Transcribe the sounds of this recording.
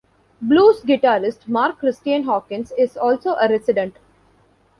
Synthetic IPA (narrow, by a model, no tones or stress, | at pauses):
bluːsɡɪʈaːɾɪsʈmaːɾkːɾɪsʈiə̃nɦɔːkɪ̃nsɪzɔːlsoːʔəɾɛsɪɖẽɳʈ